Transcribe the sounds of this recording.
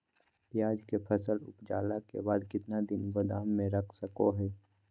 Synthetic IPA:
pjaːd͡ʒkepʰəsəlʊ̰pd͡ʒa̰ːlakḛbaːd̪kɪt̪nad̪ɪnɡʊd̪aːmːẽɾəkʰsəkoɦɛː

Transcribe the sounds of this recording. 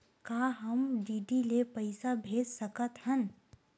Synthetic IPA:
kaːɦəmɖiːɖilepɐɪsabʱeːd͡ʒsəkət̪hən

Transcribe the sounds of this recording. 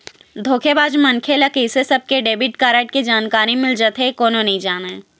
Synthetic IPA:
d̪ʱoːkʰebaːd͡ʒmɐnkʰelɐkʰisesɐb̚keɖeːbɪʈkaːɾeːʈkid͡ʒaːnkaːɾimɪld͡ʒət̪ekoːnonɐɦĩd͡ʒaːna

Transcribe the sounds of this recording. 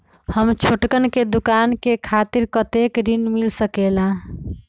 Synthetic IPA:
həmt͡ʃʰoʈkənked̪ukankekʰat̪iɾkət̪ekɖinmilsəkelã

